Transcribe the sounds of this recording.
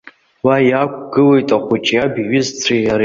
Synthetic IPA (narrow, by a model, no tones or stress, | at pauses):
wajakʷʼɡɨle̞jtʼaχʷut͡ʃʼjabiɥɪzt͡sʷʰiaɾ